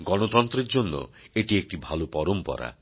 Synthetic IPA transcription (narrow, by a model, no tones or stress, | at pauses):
ɡɔɽ̃ot̪ɔnt̪ɾiɾd͡ʒonːo̰ | eʈiek̚ʈibʱalopɔɾompɔ̰ɾa̰